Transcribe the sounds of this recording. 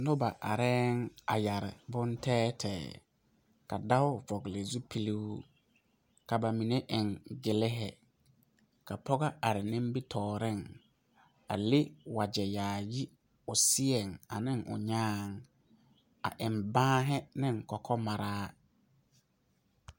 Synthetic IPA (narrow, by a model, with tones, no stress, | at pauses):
nʊ˦ba˨ʔa˨ɾɛː˦ŋa˨ja˨ɾɪ̰˨bʊ˦ntʰɛː˦tʰɛː˨ | ka˨da˦ʊ˦vɔ˨ɡlɪ˨zu˦pʰi˦li˦w | ka˨ba˨mi˨ne˦ʔɪ˨ŋɡɪ˨lɪ˦ɦɛ˨ | ka˨pʰɔ˦ɡa˦a˨ɾɪ˨nɪ̃˦m˦bi˦tʰɔː˨ɾɪ˦˨ŋ | a̰˨lɪ˦wa˨d͡ʒɛ˨jaː˨ji˦ | ʊ˨sɪ˦ɛ˨ŋa˨nɪ˦ŋʊ̰˨ɲaː˦ŋ | a̰˨ʔɪ˨mbãː˦ɦɪ˦nɪ˦ŋkɔ˨kʰɔ˦ma˨ɾaː˦